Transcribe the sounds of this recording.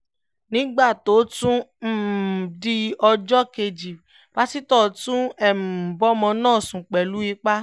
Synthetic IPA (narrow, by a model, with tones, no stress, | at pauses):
nĩ˦ɡ͡ba˦˨to˨˦tũ˦m̩˦˨di˧ɔ˧d͡ʒɔ˦ke˧d͡ʒi˨ | b̥a˦si˦tɔ˦˨tũ˦ɛ˨m̩˨bɔ˦mɔ̃˧nãː˦˨sũ˨k͡pɛ˨lu˨˦i˧˦k͡pa˦